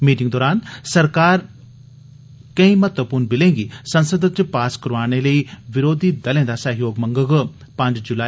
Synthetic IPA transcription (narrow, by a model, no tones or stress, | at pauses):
miːʈɪ̃ŋɡd̪ɔːɾaːnsɐɾkaːɾ | kɐ̃ĩmɐt̪ʋəpuːɾnbɪlẽːŋɡisɐ̃nsəd̪ət͡ɕpaːskɐɾʋaːɽ̃elɐiʋɪɾoːd̪ʱid̪ɐlẽnd̪asɐɦjoːɡmɐ̃ŋɡəɡ | pɐ̃ɲd͡ʑd͡ʑulaː